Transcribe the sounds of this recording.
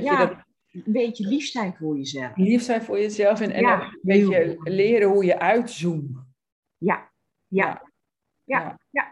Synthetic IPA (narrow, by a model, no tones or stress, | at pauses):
jaədɔ | nbeːtjəlifstɛjtfojəzɛllifstɛjtfojəzɛlˠfɪnɛ̰nɔbejəlɪəɾəhujəʔœɥtzum | ja | jaa | jaaja